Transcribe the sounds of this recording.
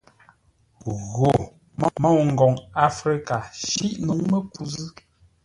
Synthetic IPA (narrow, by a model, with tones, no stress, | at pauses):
ɣo˨ | m˦ma˦˨wŋ̩˨ɡɔ˨ŋa˦fɾi˦ka˨ʃi˦ʔnu˨˦ŋmə˦ku˨zɨ˦